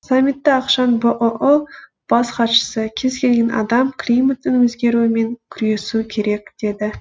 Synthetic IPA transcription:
samʲːit̪ːɪɑqʃɑnbəʔoʔo | b̥ɑsχɑt̪ʃə̥səkʲʰe̞zkʲʰe̞lɡʲe̞nʔɑ̰d̪ɑmkʰlʲijmət̪ːɪnwɵzɡʲe̞ɾuwɪme̞ŋkʲʰʏɾe̞sukʲʰe̞ɾe̞k̚d̪̥e̞d̪ɪ

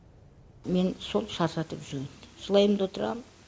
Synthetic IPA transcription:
me̞nso̞lˠʃɑɾsɑt̪əpʒɾʲnʒəlˠɑjəmd̪wot̪əɾɑ̰m

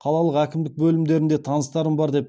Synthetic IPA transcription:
qʰɑlˠɑlˠəqækʲɪmd̪ɪk̚bɵlɪmd̪e̞ɾɪnd̪e̞t̪ʰɑnəst̪ɑɾəmbɑɾd̪e̞p

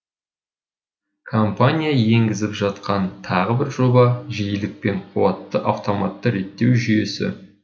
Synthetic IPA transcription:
kʰompanʲijaje̞ŋɡʲɪzɪpʒɑt̪qɑnt̪ʰɑʁəbɪɾʒo̞bɑʒijɪlɪk̚pe̞ɴqʰuwɑt̪ːəʔaft̪o̞mɑt̪ːəɾe̞t̪ːe̞wʒʏje̞sɪ̰

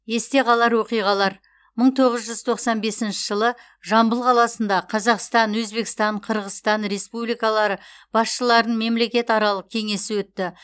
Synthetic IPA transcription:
e̞st̪e̞qʰɑlˠɑɾwo̞qijʁɑlˠɑɾ | məɴt̪ʰo̞ʁəzʒʏz̥t̪ʰo̞qsɑnbe̞sɪnʃɪ̥ʒəlˠə | ʒɑmbəlˠqʰɑlˠɑsənd̪ɑqʰɑzɑqst̪ɑnwɵzbe̞kʲst̪ɑɴqʰəɾʁəst̪ɑnɾe̞spublijkɑlˠɑɾəb̥ɑsʃəlˠɑɾd̪əɴme̞mle̞kʲe̞t̪ɑɾɑlˠəq̚kʲʰe̞ŋe̞sɪwɵt̪ːɪ

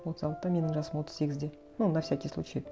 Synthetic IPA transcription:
wot̪əzɑlˠəqt̪ɑme̞nɪŋʒɑsəmwo̞t̪ːəzse̞ɡʲɪzd̪e | nonːɑfsʲækʲejsˠṵt͡ʃej

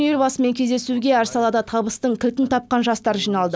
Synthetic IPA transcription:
elbɑsəme̞ŋkʲʰe̞zd̪e̞suɡʲe̞æɾsɑlˠɑd̪ɑt̪ʰɑbəst̪əɴkʲʰɪlt̪ɪnt̪ʰɑp̚qɑnʒɑst̪ɑɾʒijnɑlˠd̪ə

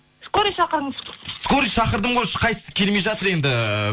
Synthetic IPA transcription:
skoɾiʃɑqəɾd̪əskoɾiʃɑqəɾd̪əɴʁojʃə̥qʰɑjsə̥sə̥kʲʰe̞lmejʒɑt̪əɾe̞nd̪ɪ

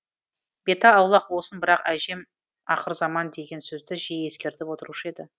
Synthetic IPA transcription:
b̥e̞t̪ɑːwlˠɑq̚bo̞sənbɪɾɑqæʒe̞m | ɑ̰qəɾzɑmɑnd̪e̞ɡʲe̞nsɵzd̪ɪʒeje̞skʲe̞ɾt̪ɪpwo̞t̪əɾuʃəe̞d̪ɪ

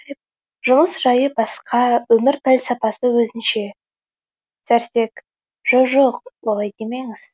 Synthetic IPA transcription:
jp̚ | ʒʊməsʒɑjəbɑsqɑwɵmɪɾpʰælʲsɑpɑsəwɵzɪnʃe̞ | sæɾse̞k | ʒ̥oʒoq̚wolˠɑjd̪emejŋɪz̥

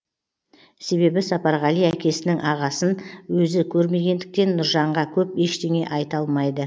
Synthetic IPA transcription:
se̞βe̞bɪsɑpɑɾʁɑlˠijækʲʰe̞sɪnɪŋʔɑʁɑsənwɵzɪkʲʰɵɾme̞ɡʲe̞nd̪ɪk̚t̪e̞nːʊɾʒɑɴʁɑkʲʰɵpe̞ʃt̪e̞ŋe̞ʔɑjt̪ɑlˠmɑjd̪ə

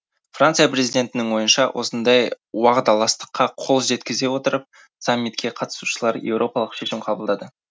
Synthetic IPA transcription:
frant̪sɨjapɾezid̪ʲe̞nt̪ɪnɪŋwo̞jənʃɑ̰wʔo̞̰sənd̪ɑj | wɑʁd̪ɑlˠɑst̪ə̥qːɑqʰo̞lˠʒe̞t̪kʲɪze̞wo̞t̪əɾəp̚ | samʲːit̪kʲe̞qʰɑt̪ə̥su̥ʃəlˠɑɾjewɾʔo̞pɑlˠəqʃe̞ʃɪmqʰɑbəlˠd̪ɑd̪ə

